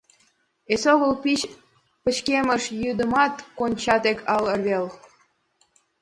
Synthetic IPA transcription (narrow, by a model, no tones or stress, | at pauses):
esoɣəlpit͡ɕ | pə̆t͡ɕkemə̆ʃjyd̪ə̆mɑt̪konʲt͡ɕɑt̪ekʰɑlə̆rβel